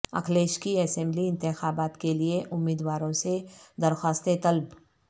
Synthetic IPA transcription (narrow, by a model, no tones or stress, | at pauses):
ɐ̰kʰleːʃkiɐsɛ̃mbliɪ̃nt̪ɪxaːbaːt̪kelieʔʊmːiːd̪waːɾõsed̪ɐɾxwaːst̪et̪ɐlb